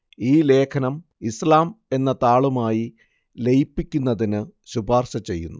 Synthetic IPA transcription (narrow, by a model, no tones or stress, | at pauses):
iːle̞ːkʰɐnɐm | islaːme̞nːɐt̪aːɭumaːji | le̞jipːikʲːunːɐðinɨɕubʱaːrɕɐt͡ɕe̞̰jːṵnːu